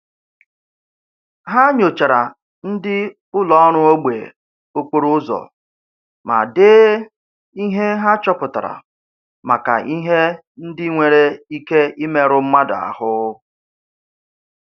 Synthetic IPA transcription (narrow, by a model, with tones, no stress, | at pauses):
ɦa˦ɲo˨t͡ʃa˨ɾa˨ | n̩˦dɪ˦ | ʊ˦lɔ˦ɔ˦ɾ̃ʊ˦o˦ɡ͡bḛ˨ | o˦kʷu˦ɾʊ˦zɔ̰˨ | ma̰˨deː˦ | i˦ɦe˦ɦa˦t͡ʃɔ˦pʊ˨ta˨ɾa̰˨ | ma˨ka̰˨ʔi˦ɦe˦ | n̩˦dɪ˦ŋʷe˨ɾe˦i˦ke˦i˦me˦ɾʊ˦m̩˦ma˦da̰˨a̰˨hʊ˦